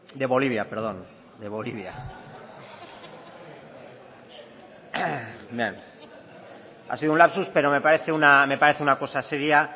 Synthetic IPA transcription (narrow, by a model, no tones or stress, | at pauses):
d̪e̞βo̞liβ̞jape̞ɾð̞o̞n | d̪e̞β̞o̞liβja̰ | bjḛŋ | a̰siðoũlapsuspe̞ɾo̞me̞paɾe̞θe̞uname̞paɾe̞θeunako̞sase̞ɾja